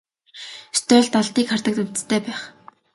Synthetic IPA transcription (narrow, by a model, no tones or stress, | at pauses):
st̪œːɮt̪ɔɮt̪iːkχar̥t̪ə̆kt̪ɵw̥ʲt͡st̪ʰeːpæːχ